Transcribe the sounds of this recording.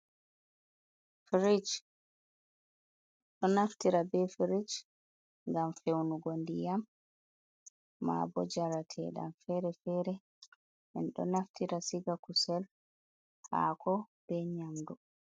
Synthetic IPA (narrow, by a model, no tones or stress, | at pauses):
fɾid͡ʒ | ɗɔnaftiɾabɛfɾid͡ʒ | ŋɡamfewnuɡondijam | a̰bɔd͡ʒaɾatʰɛ̰ɗa̰mfɛɾɛfɛːɾɛ | ʔɛ̰nɗɔ̰naftiɾasiɡakusɛl | ha̰kʰɔb̥ɛɲamdu